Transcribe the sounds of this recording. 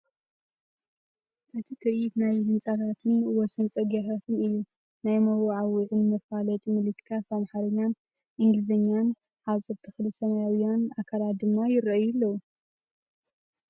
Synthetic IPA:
ʔɨt̪ʰit̪ʰɨɾit̪najzɨnt͡sʼat̪ʰat̪ʰɨnwɔsɐnt͡sʼɐɡat̪ʰat̪ʰɨnɨjːu | najmɐwaʕawɨʕɨnmɐfalɐt̪ʼmɨlɨkʰːasamħaɾɐɲːan | ʔɨŋɡlɨzɐɲːan | ħasʼobt̪ʰɨxlɨsɐmajawjanʔakʰalat̪̚d̪ɨmːajɪɾɐjulːɐwu

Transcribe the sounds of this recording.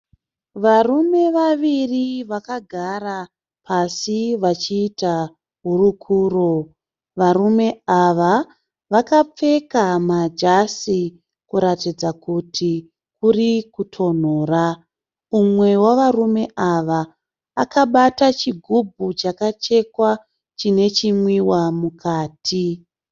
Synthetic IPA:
ʋarume̞ʋaʋiriʋakaɡʱara | pʰasiʋat͡ʃiːta | ɦurukʰuːro̞ | ʋarume̞aʋa | ʋakap͡fe̞kamad͡ʒasi | kuɾatid͡zakutʰi | kurikutʰo̞n̤oːra | umwe̞waʋarume̞ʔaʋaː | kaɓatat͡ʃiɡʱubʱut͡ʃakat͡ʃe̞kwa | t͡ʃine̞t͡ʃimwiwamukʰaːtʰi

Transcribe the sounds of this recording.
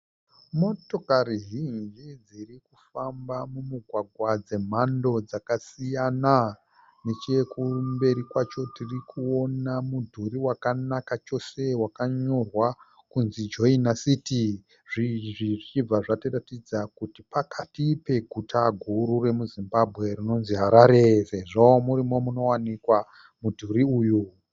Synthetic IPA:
mo̞to̞kariɦind͡ʒid͡zirikufambamumuɡʱwaɡʱwad͡ze̞m̤ando̞d͡zakasijana | ne̞t͡ʃe̞kumbe̞ɾikwat͡ʃo̞tirikuo̞namudʱuɾiwakanakat͡ʃo̞se̞wakaɲo̞rwa | kunzid͡ʒo̞inasiti | ʐiʐiʐit͡ʃib͡vaʐatiratid͡zakutipakʰatipe̞ɡʱutʰaɡʱuɾure̞muzimbabʱɣe̞rino̞nziɦaɾaɾeseʐaomuɾimo̞muno̞wanikwa | mudʱuɾiuːju

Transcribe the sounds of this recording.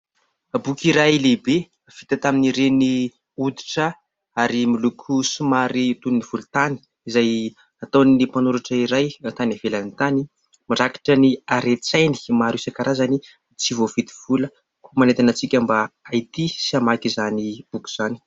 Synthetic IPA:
bukiɾajlebe | v̥it̪at̪aminiɾeni | ud̪i̥ʈ͡ʂə | aɾimilukʰusumaɾit̪unniv̥ulut̪ani̥ | izaj | at̪anipanuɾaʈ͡ʂəiɾajt̪anavelanit̪ani | miɾaki̥ʈ͡ʂəniaɾet͡sajni̥maɾusakaɾʔazani | t͡sivov̥it̪i̥v̥ulə | kumanet̪anat͡sikʲambaait̪isiamakizanib̥ukʲu̥z̥ani̥

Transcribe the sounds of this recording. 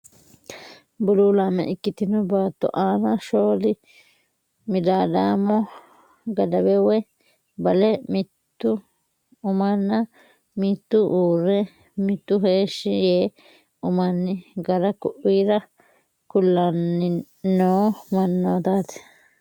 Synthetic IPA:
bʊluːlamɛ̰ʔɪkːɪt̪ɪnʊbaːt̪ːɔ̰ʔaːnaʃoːlɪ | mɪd̪aːd̪aːmɔ | ɡɐd̪ɐbɛwɛ | bɐlɛmɪt̪ːʊ | ʊmɐnːa | mɪt̪ːʊʔuːɾɛ | mɪt̪ːʊheːʃːɪjeː | ʊmɐnːɪɡɐɾɐkʊʔiːɾɐ | kʊlːɐnːɪ | noːmɐnːoːt̪aːt̪ɛ̥

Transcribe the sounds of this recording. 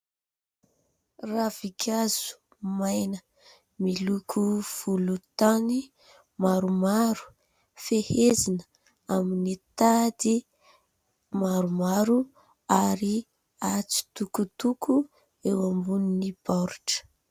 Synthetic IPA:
ravikʰaz̥u̥ | majnə | milukʰuv̥ulut̪ani | maɾumaɾu̥ | fehezinə | aminit̪ad̪i | maɾumaɾu | aɾi | at͡si̥t̪ukut̪ukʰu | ewambuninipɔɾʈ͡ʂə̥

